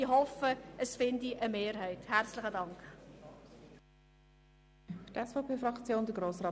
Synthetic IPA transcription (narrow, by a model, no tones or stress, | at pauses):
iɦɔfəəsfɪndiʔəmeːɾɦɛɪthært͡sləχədɑŋkχ | ftɛsfɔʊpʰeːfɾɑkt͡sjoːndəɡɾoːsrɑː